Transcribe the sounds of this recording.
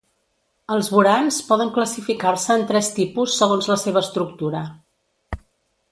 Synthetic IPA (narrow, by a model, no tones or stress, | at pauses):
əlˠzβuɾanspɔðəŋkləsifikarsəːnt̪ɾɛst̪ipusːəɣ̞onzləseβ̞əːst̪ɾuk̚t̪uɾə